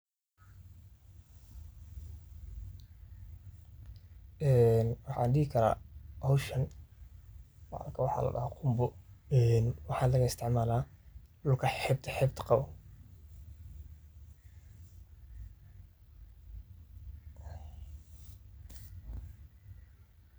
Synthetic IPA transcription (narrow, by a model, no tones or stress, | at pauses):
ɛːnwɑħɑ̰nɖihɪkʰɐɾa̰ːhɔwʃɐn | wʕ̰lkʰɐwɑħɑ̰ːlɐ̰dɐ̰haqʰʊmbʊɛnwɑħɑːnlɐɣɐɪst̪ʰɪʕmaːlaːɗʊlkʰɐħɛb̚t̪ʰɐħɛːbt̪ʰqɑw